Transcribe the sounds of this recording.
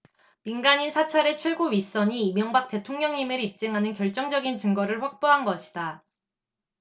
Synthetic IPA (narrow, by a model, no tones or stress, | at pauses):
minɡaɲinsʰat͡ɕʰaɾe̞t͡ɕʰwe̞ɡoɥis͈ʌɲiːmjʌŋbak̚t͈e̞tʰoŋɲʌŋimɯɾip̚t͡ɕ͈ɯŋɦanɯnkjʌɭt͡ɕ͈ʌŋd͡ʑʌɡint͡ɕɯŋɡʌɾɯɭɸwak̚p͈oɦanɡʌɕʰi̥da